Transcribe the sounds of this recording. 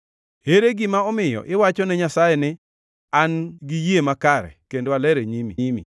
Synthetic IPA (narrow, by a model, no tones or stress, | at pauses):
heɾeɡɪmaɔmɪjɔ̰ʔɪwat͡ʃɔnɛɲasajɛnɪ | anɡijemakaɾɛ̰kendoalɛɾeɲimiimḭ